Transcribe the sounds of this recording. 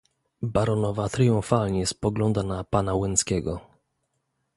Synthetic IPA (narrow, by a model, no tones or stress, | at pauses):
baɾɔnɔvat̪ɾijũnfalɲɛspɔɡlɔnd̪anapanawɘnskʲɛɡɔ